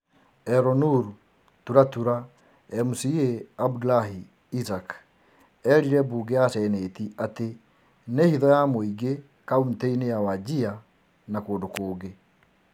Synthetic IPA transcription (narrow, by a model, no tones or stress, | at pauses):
ɛɾɔnuɾu | tuɾatuɾa | ɛmusieabdlaɦiː | sak | ɛɾiɾɛbuːɡeasɛneːtiate | nehiðɔjamoiɡe | kaunteinejawad͡ʑia | nakoːndokoːɡe